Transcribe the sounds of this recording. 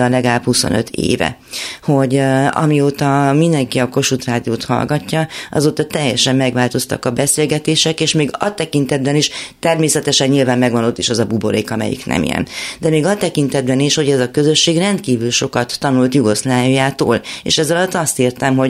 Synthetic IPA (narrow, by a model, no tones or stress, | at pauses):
ɒlɛɡalaːphuso̞̰nø̞̰t̪ʰḛːvɛ̰ho̞ɟɒ̰mioːt̪ɒmind̪ɛŋkiɒko̞ʃut̪raːd̪ioːt̪hɒ̰lɡɒcːɒʔɒ̰zoːt̪ɒt̪ɛjːɛʃɛmːɛɡʋaːlt̪o̞st̪ɒ̰kɒbɛseːlɡɛt̪eːʃɛkeːʃmeːɡɒ̰t̪ɛkint̪ɛd̪bɛniʃt̪ɛrmeːsɛt̪ɛʃɛɲɲilvaːmːɛɡvɒno̞t̪ːiʃɛzɒbubo̞ɾḛːkɒmɛ̰jḭknɛ̰mḭjɛ̰nd̪ɛmeːɡɒt̪ɛkint̪ɛd̪bɛniʃho̞ɟɛzɒkø̞zø̞ʃːeːɡrɛnt̪kiːvylʃo̞kɒt̪ːɒnult̪juɡo̞slaːjujaːt̪o̰ːlḛːʃɛzɒlɒt̪ːɒst̪irt̪ɛmɦo̞ɟ